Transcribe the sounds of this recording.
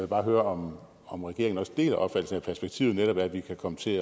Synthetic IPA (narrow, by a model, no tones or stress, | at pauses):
ʋe̝bɑ̈ːɦøːɐɒ̽m | ɒ̽mʁɛɡ̥e̝ɐeŋn̩ɒ̽sd̥e̝̰ːlæʔɒ̽b̥fæd̥l̩sn̩æpʰæɐsb̥eɡ̥̚t͡sʰḭːʊð̩ˠneɾɒ̽b̥æɐædʋikʰækʰɒ̽mət͡sʰe̝